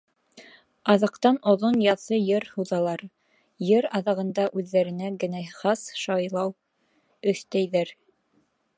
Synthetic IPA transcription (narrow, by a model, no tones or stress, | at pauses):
ɑðɑqt̪ɑnŏðonjɑθɤjɘɾhuðɑlˠɑɾ | jɘɾɑðɑʁɤ̆nd̪ɑʔʉðːæɾɘ̆næɡɘ̆næχɑsʃɑjlˠɑw | ɵ̆θt̪æjðæɾ